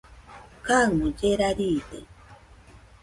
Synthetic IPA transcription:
kaŋmod͡ʒeɾaɾiːt̪ḛ

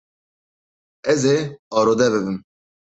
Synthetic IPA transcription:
ɛzeɑːɾoːd̪ɛβɨbɨm

